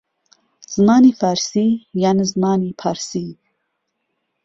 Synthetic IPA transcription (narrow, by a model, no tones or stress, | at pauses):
z̥maːnifaɾsijanizmaːnipʰaɾsi